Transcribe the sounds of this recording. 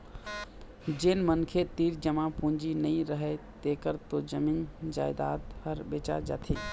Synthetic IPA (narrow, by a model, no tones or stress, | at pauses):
d͡ʒenmənkʰet̪iːɾd͡ʒəmãpũnd͡ʒinəĩɾəɦɛt̪ekəɾt̪od͡ʒəmind͡ʒa̰ːɪd̪a̰d̪həɾbeːt͡ʃa̰ɾd͡ʒa̰ːt̪ʰi